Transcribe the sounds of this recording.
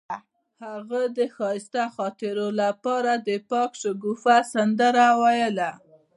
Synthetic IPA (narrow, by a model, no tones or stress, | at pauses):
haɣad̪əxɑjɪst̪axɑt̪ɪɾolapɑɾad̪əpɑkʃəɡufasand̪əɾawajəla